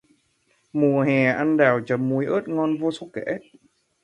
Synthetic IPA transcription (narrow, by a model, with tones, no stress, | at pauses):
mu˨˩əɦɛ˨˩ʔa˧nɗaː˨˩wt͡ɕə˨˩mːu˧˩jʔəː˦˥t̚ŋɔ˧nvo˧so˧kḛ˧˥